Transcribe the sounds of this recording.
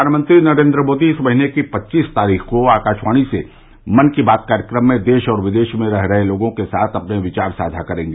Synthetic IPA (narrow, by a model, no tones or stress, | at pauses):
ɾʱaːnmə̃nt̪ɾinɐɾẽːnd̪ɾəmoːd̪iɪsmɐɦinekipɐtːʃiːst̪aːɾiːxkoaːkaːʃwaːɽ̃isḛ | mɐnkibaːt̪̚kaːɾjəkɾəmːẽd̪eːʃɔːɾʋɪd̪eːʃmẽɾɛɦɾɐɦeloːɡõkesaːt̪ʰɐpneʋɪt͡ʃaːɾsaːd̪ʱakɐɾẽːŋɡeː